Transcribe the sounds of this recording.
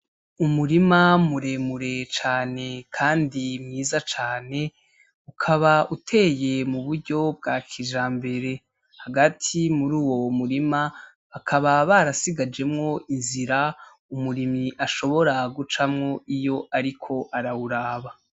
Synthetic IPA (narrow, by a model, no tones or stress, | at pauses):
umuɾimamuɾe̞muɾe̞t͡ʃaːne̞kʰaːndimŋiːzat͡ʃaːne̞ | ukʰaβaʔutʰe̞ːje̞muβuɾɟo̞b̚ɡaːkʰiʒaːmbe̞ɾe̞ | haɡatʰimuɾuːwo̞muɾima | βakʰaβaβaɾasiɡad͡ʒe̞mŋo̞ʔinziɾa | umuɾimiʔaʃo̞βo̞ɾaɡut͡ʃamŋo̞ijo̞ʔaɾikʰo̞ʔaɾauɾaːβa